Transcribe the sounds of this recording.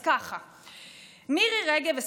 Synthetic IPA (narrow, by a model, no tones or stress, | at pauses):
kaχa | miʁiʁeɡeves